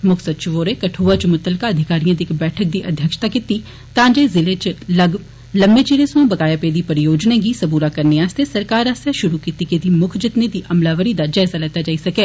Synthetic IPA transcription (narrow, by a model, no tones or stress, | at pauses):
mʊkʰsət̪t͡ʃɪʋoːɾeːkəʈʰoːat͡ʃmʊt̪əlkaːəd̪ʱɪkaːɾijãːd̪iːɪkbɛːʈʰək̚d̪iːʔəd̪ʱjəkʃt̪aːkit̪iː | t̪ãːd͡ʒeːzɪleːt͡ʃləɡ | ləmbeːt͡ʃiːɾeːsʋãːbəɡaːjaːpeːd̪iːpəɾɪjoːd͡ʒnãːɡiːsəbuːɾaːkəɾneaːst̪eːsəɾkaːɾaːst̪jaːʃʊɾuːkiːt̪ikeːd̪iːmʊkʰd͡ʒɪt̪ned̪iːʔəmlaːʋəɾiːd̪aːd͡ʒaːɪzaːlɛt̪ːaːd͡ʒaːisɐkeː